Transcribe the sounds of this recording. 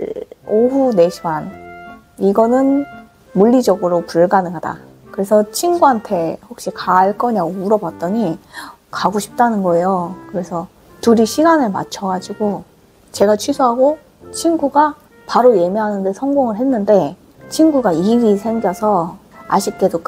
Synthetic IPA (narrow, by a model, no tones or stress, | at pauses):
oɦune̞ɕʰiman | iɡʌnɯn | muʎːid͡ʑʌɡɯɾopuɭɡanɯɦada̰ | kɯɾe̞sʰʌt͡ɕʰinɡuɦantʰe̞ɸok̚ɕ͈ikaːɭk͈ʌɲauɾʌbat̚t͈ʌɲi | kaɡoɕʰi̥p̚t͈anɯnɡʌe̞jokɯɾe̞sʰʌ | tuɾiɕʰiɡanɯɭma̰t͡ɕʰʌɡad͡ʑiɡo | t͡ɕe̞ɡat͡ɕʰɥisʰoɦaɡo | t͡ɕʰinɡuɡa | paɾoje̞meɦanɯnde̞sʰʌŋɡoŋɯɭɦenːɯnde̞ | t͡ɕʰinɡuɡaiɡisʰe̞ŋɡjʌsʰʌa̰ɕʰik̚k͈e̞dok